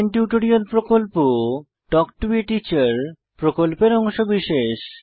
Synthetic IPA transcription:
nʈjuʈoɾialpɾokolpo | ʈɔkʈoɾiʈit͡ɕaɾ | pɾokolpeɾɔŋʃobiʃeʃ

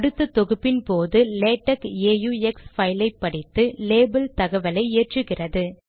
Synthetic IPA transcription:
ɐɽɯt̪ːɯt̪ːɔɣɯpːɪnpoːðɯleːʈːɐkeːjuːɛksfɐɪlɐɪpːɐɽɪt̪ːɯleːbɐlt̪ɐɣɐʋɐlɐɪeːʈrɯɣɪrɐðɯ

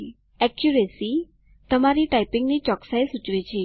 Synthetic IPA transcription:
ɛkjuɾesi | t̪əmaɾiʈaipɪŋɡnit͡ʃɔksaesut͡ʃʋit͡ʃʰe

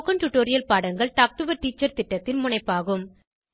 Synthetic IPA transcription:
kɐnʈuʈːoːɾɪjɐlpaːɽɐŋɡɐɭʈaːk̚ʈʊbɐɾʈiːt͡ʃːɐɾt̪ɪʈːɐt̪ːɪnmʊɳɐɪpːaːɣɯm

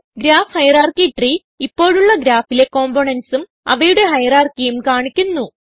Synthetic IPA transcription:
ɡɾaːfhɐjɐraːrkiʈri | ipːo̞ːɻuɭːɐɡɾaːfile̞ko̞ːmboːɳɐnsum | ɐʋɐjuɽe̞ɦɐjɐraːrkijumkaːɳikʲːunːu

